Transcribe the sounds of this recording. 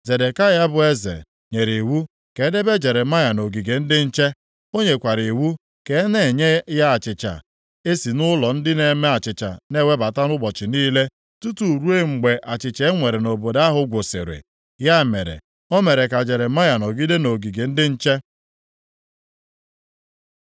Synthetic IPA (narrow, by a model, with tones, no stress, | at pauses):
ze˨de˨ka˦ja˦bʊ˨e˦zḛ˨ | ɲe˨ɾe˨wu˦ | ke˨˦de˦be˦d͡ʒe˨ɾe˨ma˦ja˨no˨ɡi˨ɡe˨n̩˦dɪ˦n̩˦t͡ʃe˦ | o˦ɲe˨kʷa˨ɾe˨wu˦ | ke˨˦ne˦˨ɲe˦ja˦a˨t͡ʃɪ˨t͡ʃa̰˨ | e˦si˨nʊ˦lɔ˨n̩˦dɪ˦ne˨me˦a˨t͡ʃɪ˨t͡ʃa̰˨ne˦˨we˦ba˨ta˦nʊ˦bɔ˨t͡ʃɪ˨niː˦le˦ | tu˦tu˨ɾu˦e˦ŋ͡m̩˨ɡ͡be˨ʔa˨t͡ʃɪ˨t͡ʃe˦ŋʷe˨ɾe˨no˨bo˨da˦ɦʊ˨ɡʷʊ˨sɪ̰˨ɾɪ̰˨ | ja˦˨me˨ɾḛ˨ | o˦me˨ɾe˨ka˨d͡ʒe˨ɾe˨ma˦ja˨no˨ɡi˦de˦no˨ɡi˨ɡe˨n̩˦dɪ˦n̩˦t͡ʃe˦